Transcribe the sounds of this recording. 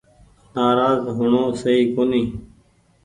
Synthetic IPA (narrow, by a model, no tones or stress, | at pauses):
naːɾaːzɦʊɳõːsəiːkoːniː